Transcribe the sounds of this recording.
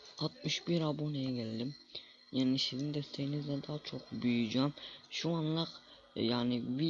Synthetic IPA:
ɑt̪myʃbiɾɑbonejɛɡʲʰɛlʲd̪im | jaːnɪsizind̪est̪ʰejinizd̪ɛd̪ɑːt͡ʃʰoqbyjyd͡ʒanʃuɑnlˠɑq | jaːnɪvi

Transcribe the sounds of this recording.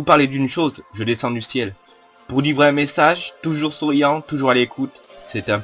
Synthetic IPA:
upaʁled̪ynʃozʒəd̪esɑ̃d̪ysjɛl | puʁlivʁeɛ̃mesaʒt̪uʒuʁsuʁijɑ̃t̪uʒuʁalekʰut̪sɛt̪ɛ̃

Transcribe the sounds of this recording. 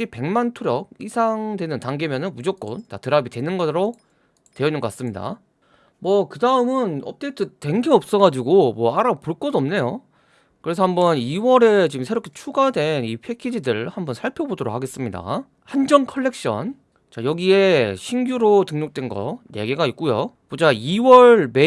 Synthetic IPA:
ipe̞ŋmantʰuɾjʌɡ̚isʰaŋdwe̞nɯntaŋɡe̞mjʌnɯnmud͡ʑok͈o̰ntatɯɾabitwe̞nɯnɡʌɾo | twe̞ʌinːɯnɡʌk͈as͈ɯmɲida̰ | mwʌkɯdaɯmɯnʌp̚t͈e̞itʰɯte̞ŋɡeʌp̚s͈ʌɡad͡ʑiɡomwʌaɾapoɭk͈ʌdoʌmne̞jo | kɯɾesʰʌhambʌniwʌɾe̞t͡ɕiɯmsʰeɾokʰet͡ɕʰuɡadwe̞nipʰe̞kʰid͡ʑidɯɭhambʌnsʰaɭpʰjobodoɾokhaɡe̞s͈ɯmɲida̰ | hand͡ʑʌnkʰʌɭːe̞k̚ɕ͈ʌ̰n | t͡ɕajʌɡie̞ɕʰinɡjuɾotɯŋɲok̚t͈we̞nɡʌ̰ne̞ɡe̞ɡaik̚k͈ujo̰pod͡ʑaiwʌɭme

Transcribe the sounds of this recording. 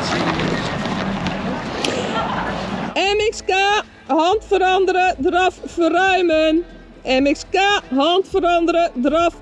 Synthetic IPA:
ɛmɪkska | hɔntfəɾɔndəɾədrɔffəɾœɥmən | ɛmɪkskaɦɔntfəɾɑndəɾədrɔf

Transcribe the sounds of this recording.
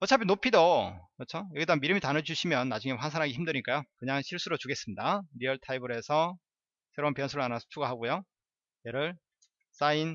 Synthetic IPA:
ʌt͡ɕʰapʰinopʰidokʌt͡ɕʰojʌɡidamiɾɯmitanɯd͡ʑuɕʰimjʌnːad͡ʑuŋewansʰanɦaɡeçimdɯɲik͈ajokɯɲaŋɕʰiɭs͈uɾot͡ɕuɡe̞s͈ɯmɲidaɾiʌɭtʰaibɯɾe̞sʰʌ | sʰe̞ɾounpjʌnsʰuɾɯɭanao̥t͡ɕʰuɡaɦaɡojo | jeɾɯɭ | s͈ain

